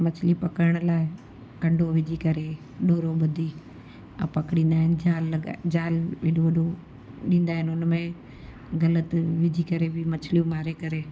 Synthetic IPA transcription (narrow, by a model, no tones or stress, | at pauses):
mɐt͡ʃʰlipɐkəɾəɽ̃laːɪ | kɐ̃ɳɖʱoʋɪd͡ʒʱikɐɾe | ɗoːɾoɓɐd̪ʱiː | pɐkɽĩːn̆d̪aːɦɪnɪd͡ʒaːlːɡa̰d͡ʒaːlʋeɗoʋɐɗʱo | ɗĩːnd̪aːɦɪnʊnmẽ | ɣɐlət̪ʋɪd͡ʒʱikɐɾebʱɪmɐt͡ʃʰlijũmaːɾekɐɾeː